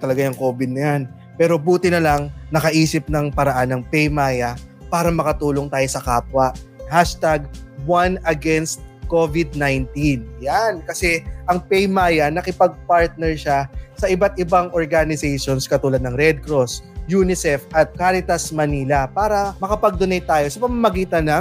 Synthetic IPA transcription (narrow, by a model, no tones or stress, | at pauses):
t̪ɐlɐɡajɐŋko̞ːbɪd̪̚nɐjan | pɛːɾo̞buːt̪ɪnɐlaŋnɐkɐʔiːsɪp̚nɐŋpɐɾɐʔanːɐŋpɛjmaːjɐpaːɾɐmɐkɐt̪uːloŋt̪aːjosɐkaːpwɐʔhaʃt̪aɡ̚wanɐɡɛnst̪̚kovɪd̪̚najnt̪injankɐsɛʔɐŋpɛjmaːjɐnɐkɪpɐɡ̚paɹt̪̚nɛɹʃasɐʔɪbat̪̚ʔɪbaŋʔoɹɡanɪsɛjʃonskɐt̪uːlɐd̪̚nɐŋɾɛd̪̚kɾosjuːnɪsɛfʔɐt̪̚kaːɾɪt̪ɐsmɐniːlɐpaːɾɐmɐkɐpɐɡ̚d̪ʊnɐjt̪aːjo̞sɐpɐmɐmɐɡiːt̪ɐnɐ